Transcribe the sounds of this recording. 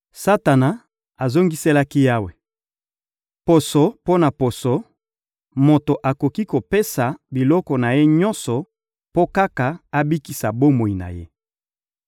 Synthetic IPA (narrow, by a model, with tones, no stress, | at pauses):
sa˦ta˨na˨ | a˨zo˦ŋɡi˦se˦la˦ki˦ja˦we˨ | po˨so˨po˦na˨po˨so˨ | mo˨to˨ʔa˨ko˨ki˦ko˨pe˦sa˨bi˨lɔ˦kɔ˨na˨je˦ɲɔ˦nsɔ˨ | po˦ka˦ka˨a˦bi˦ki˨sa˨bo˦mo˨i˨na̰˨jḛ˦